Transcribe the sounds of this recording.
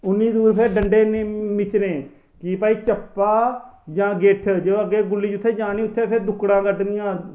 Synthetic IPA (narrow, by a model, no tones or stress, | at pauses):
ʊnːiːd̪uːɾpʰeːɖəɳɖeːmɪt͡ʃnẽː | kɪpaːiːt͡ʃəpːaːd͡ʒãːɡeʈʰd͡ʒooəɡːeːɡʊlːiːd͡ʒʊt̪ʰːeːd͡ʒaːniːʊt̪ʰːeːpʰɪɾd̪ʊkɽãːkəʈnɪjãː